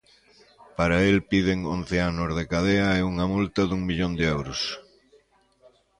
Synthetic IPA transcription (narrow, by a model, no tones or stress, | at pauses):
paɾɐelpiðɪŋo̰nθeanʊzðekaðeɐɛuŋɐmult̪ɐðuŋmiʎond̪ɪɛwɾʊs